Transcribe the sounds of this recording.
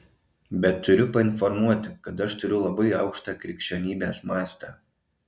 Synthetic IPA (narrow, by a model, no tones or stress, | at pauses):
bʲɛt̪ʰːʊɾʲʊpɐɪnfɔɾmuɔt̪ʲɪkɐt̪ɐʃt̪ʊɾʲʊlˠɐbɐɪɐʊkʃt̪ɑːkɾʲɪkʃʲt͡ʃʲɛnʲiːbʲeːsmɑːst̪ɐː